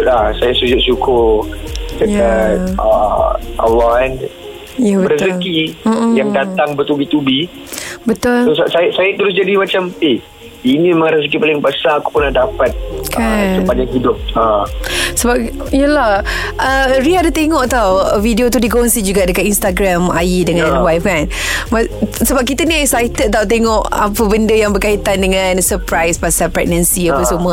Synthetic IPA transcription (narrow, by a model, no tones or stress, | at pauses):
t̪lahsajasud͡ʒʊʔ̚sukʰʊ | dəjat̪̚ə̰a̰lan | jabəɾəsəkijaŋdat̪aŋbət̪ubit̪ubi | bət̪ʊlosasajasajat̪əɾʊs̬d͡ʒadimat͡ʃampi | inĩməŋɾəs̬ək̬ipalɪŋpəsaku̥pənahdapat̪̚kʰasəpanaŋɦidʊp̚asəbap̚ | jəlah | ʔəɾiadət̪eŋɔʔt̪awvidiot̪̬udiɡoŋsid͡ʒuɡaʔdəkat̪inst̪aɡɾama̰jidəŋãnwajfkanmasəbap̚kit̪ənĩaiksajt̪ət̪awt̪̬eŋɔʔa̰pəbəndəjaŋbərkait̪andəŋãnsəpɾajsbasalpɾɛɡ̚nənsiapəsumə